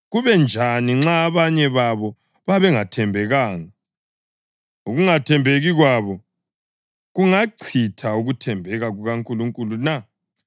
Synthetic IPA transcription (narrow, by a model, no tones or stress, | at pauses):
ɣuβɛnd͡ʒʱaniŋ͡ǁaːβaɲɛβaβɔ | βaβɛŋatʰɛmbʱɛɣaːŋa | uɣuŋatʰɛmbʱeɣiɣwaβɔ | ɣuŋaǀʰitʰauɣutʰɛmbʱɛɣaɣuɣaŋkʼuluŋkʼuluna